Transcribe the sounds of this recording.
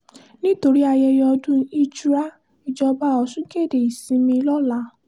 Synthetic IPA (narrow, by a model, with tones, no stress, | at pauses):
nĩ˦to˧ɾi˦a˧jɛ˧jɔ˧dũ˦i˦t͡ʃu˦ɾa˦ | i˨d͡ʒɔ˧ba˦˨ɔ˧sũ˦ke˦˨de˨i˨sĩ˨˧˦mĩ˧lɔ˦la˨˦